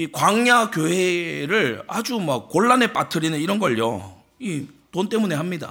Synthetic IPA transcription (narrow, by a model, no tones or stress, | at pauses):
ikwaŋɲakjoɦe̞ɾɯɭad͡ʑumak̚k͈oɭːane̞p͈atʰɯɾinɯniɾʌnɡʌɭjo̰ | itont͈e̞mune̞ɦamɲida̰